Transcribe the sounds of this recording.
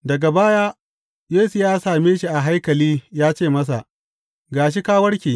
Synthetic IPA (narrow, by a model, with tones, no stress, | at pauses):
dɐ˨ɡa˨baː˦jaː˦ | jeː˦su˨jaː˦saː˨meː˦ʃi˨ʔa˨ɦa˦jkɐ˨liː˦jaː˦t͡ʃeː˦˨mɐ˦s̬a̰˨ʔ | ɡaː˨ʃ̬i˦kaː˦wɐ˦ɽkʲeː˨